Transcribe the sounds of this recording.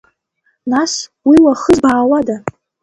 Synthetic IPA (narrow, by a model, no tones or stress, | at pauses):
naswiwaχəzbaːwada